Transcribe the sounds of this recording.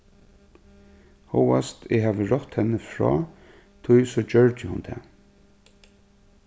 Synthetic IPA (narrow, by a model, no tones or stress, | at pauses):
hɔwast̪ɪɦaːʋəɹɔht̪hɛnːəfɹɔ̰ː | t̪ʰʊjsɔd͡ʒœɹt̪ɪhʊnt̪ʰɛ̰ː